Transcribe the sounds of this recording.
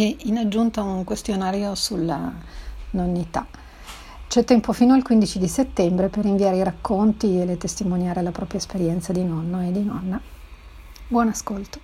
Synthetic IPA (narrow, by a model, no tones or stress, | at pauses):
einad͡ʒːunt̪auŋkwest̪jonaːɾjosulːa̰ | nonːit̪a | t͡ʃɛt̪ːɛmpofiːnoalkwind̪it͡ʃid̪iset̪ːɛmbɾeperːiɱviaːɾeiɾakːont̪ielet̪est̪imonjaːɾelapɾɔːpɾjaespeɾjɛnt̪sad̪inɔnːoed̪inɔnːa | bwɔnaskolt̪o̥